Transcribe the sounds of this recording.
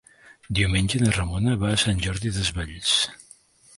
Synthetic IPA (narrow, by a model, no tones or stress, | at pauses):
d̪iumenʲʒəðərəmonəβaːsanʲʒɔɾðiðəzβaʎs